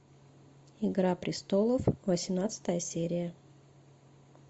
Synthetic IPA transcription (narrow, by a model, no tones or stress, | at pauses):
ɪɡɾapɾʲɪst̪olˠəfvəsʲɪmnat̪sɨ̥t̪əjəsʲeɾʲɪjə